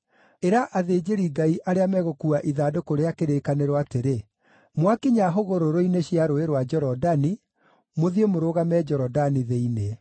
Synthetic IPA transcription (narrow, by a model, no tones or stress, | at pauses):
eɾaʔaðeːd͡ʑeɾiɡaiʔaɾeamɛɣokuaʔiðadokoɾeakeɾekaneɾowateɾe | mwakiɲaɦoɣoɾoɾoineɕiaɾoeɾwad͡ʒɔɾɔdani | moðiemoɾoːɣamɛd͡ʒɔɾɔdaniðeine